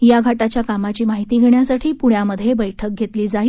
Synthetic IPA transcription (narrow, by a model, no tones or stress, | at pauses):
jaɡʱaʈat͡ɕjakamat͡ɕiːmaɦit̪iːɡʱeɳjasaʈʰiːpuɽjaməd̪ʱːjebəjʈʰək̚ɡʱet̪liːd͡zaj